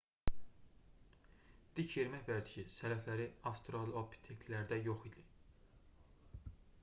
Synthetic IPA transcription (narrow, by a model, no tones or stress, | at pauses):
d̪̥icʰje̞ɾmæçbæd̪icʰisæɾæflæɾiɑst̪ɾolˠobʰi̥t̪ʰekt̪læɾd̪æjo̞χid̪i